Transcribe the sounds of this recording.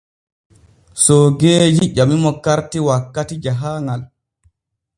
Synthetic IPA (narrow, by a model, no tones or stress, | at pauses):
sɔɡeːd͡ʒiʔamimɔkaɾtiwakːatid͡ʒaɦaːŋal